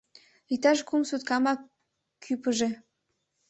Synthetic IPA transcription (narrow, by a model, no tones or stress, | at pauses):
it̪ɑʃkumsut̪kɑmɑ | kʰːypəʒe